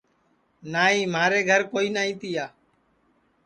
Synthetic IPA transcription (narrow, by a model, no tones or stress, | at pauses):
naːɦĩːmaːɾeːɡʱəɾkoːiːnaːĩːt̪ɪjaː